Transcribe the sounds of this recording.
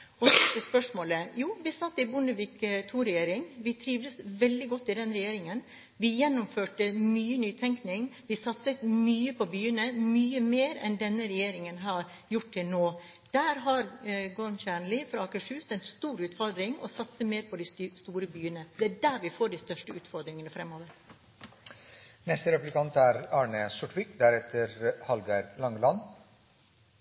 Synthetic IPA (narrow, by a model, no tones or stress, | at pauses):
ɔsɔt̪əspœʂmoːləjuːʋɪsɑt̪ːɪbʊnəʋɪkt̪ʰuːɾɛjeːɾɪŋʋɪt̪ʰɾiːʋd̪əsʋɛld̪ɪɡɔt̪ːɪd̪ɛnɾɛjeːɾɪŋən | ʋɪjɛnːʊmføːʈəmyːənyːt̪ʰɛŋknɪŋʋɪsɑt̪sət̪myːəpʰɔbyːənəmyːəmeːɾɛ̰nd̪ɛnːəɾɛjeːɾɪŋənɦæːɾ | jʊʈ̚t̪ɪlnoː | d̪̥æːɾɦɑɾɡɔɾmçæːɳlɪfɾɑɑːkəʂhʉːsɛnst̪uːɾʉːt̪fɔɾd̪ɾɪŋɔ̰sɑt̪səmeːɾpʰɔd̪ɪst̪uːɾəbyːənəd̪ɛæɖæːɾʋɪfoːɖɪst̪œʂʈəʉːt̪fɔɾd̪ɾɪŋənəfɾɛmːoːʋəɾ | nɛst̪əɾɛplɪkɑnt̪ʰæɾɑːɳəsɔʈʋɪkd̪æɾɛt̪ʰːəɾhɑlɡɑɾlɑŋlɑn